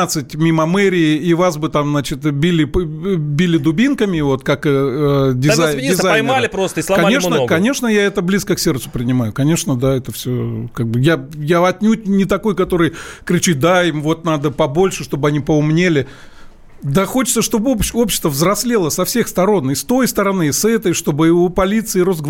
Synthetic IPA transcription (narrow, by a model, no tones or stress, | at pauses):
at̪sɨtʲmʲimɐmɛɾʲɪɪivasbɨt̪amznat͡ɕɪt̪bʲilʲɪbʲilʲɪd̪ʊbʲinkəmʲɪvo̞t̪kakː | dʲɪajdɪzajɐjmalʲɪpɾost̪əislɐkɐnʲeʂnəɡkɐnʲe̞ʂnəjaɛt̪əblʲiskəksʲe̞rt̪sʊ̥pɾʲɪnʲɪmajʊkɐnʲe̞ʂnəd̪aɛt̪əfsʲokaɡ̚bɨjajaɐt̪̚ʲnʲut̚ʲnʲɪt̪ɐko̞jkɐt̪o̞ɾɨjkɾʲɪt͡ɕit̪̚d̪aimvo̞t̪nad̪əpɐbo̞lʲʂɨʂt̪o̞bɨɐnʲipəʊmnʲelʲɪ | d̪ɐxot͡ɕɪ̥t̪səʂt̪o̞bɨopo̞pɕːɪ̥st̪vəvzrɐsʲlʲelˠəsɐfsʲexst̪ɐɾo̞nɪst̪o̞jst̪əɾɐnɨsɛt̪əjʂt̪o̞bɨɪopɐlʲit̪sɨɪɾo̞sɡ